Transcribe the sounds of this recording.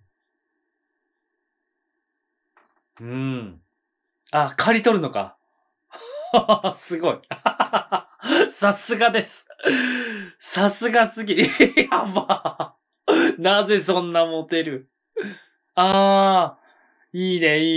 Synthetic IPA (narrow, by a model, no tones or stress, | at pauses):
ɯ̟̃ɴ | akʰaɾʲit̪o̞ɾɯ̟no̞ka̰ | sɨɡo̞i | sasɨɡad̪e̞sɨ̥ | sasɨɡasɨɡʲiama | naze̞sõ̞nːamo̞t̪e̞ɾɯ̟ | aː | iːne̞iː